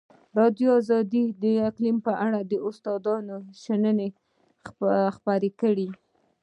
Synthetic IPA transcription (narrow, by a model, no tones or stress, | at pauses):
ɾɑd̪joɑzɑd̪id̪əɪqlimpəʔaɽad̪əʊst̪ɑd̪ɑnoʃanəne | xpɑɾekəɽi